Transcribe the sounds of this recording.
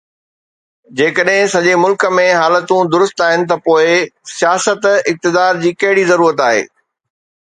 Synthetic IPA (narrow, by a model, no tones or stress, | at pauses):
d͡ʑeːkəɗɦɪ̃sɐ̃ʄemʊlkə̆mẽɦaːlət̪ũd̪ʊɾʊst̪aːɦɪnɪ̆t̪̬ɐpoːɪsijaːsət̪ɪk̚t̪ɪd̪aːɾd͡ʑiːkɐɦɪɽizɐɾuːɾət̪̬aːɦḛː